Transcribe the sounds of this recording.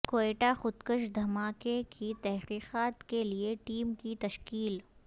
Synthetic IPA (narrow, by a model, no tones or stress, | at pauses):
koːeːʈaxʊd̪kəʃd̪ʱɐmaːkekʰit̪ɛɦqiːqaːt̪kelieʈiːmkit̪ɐʃkiːl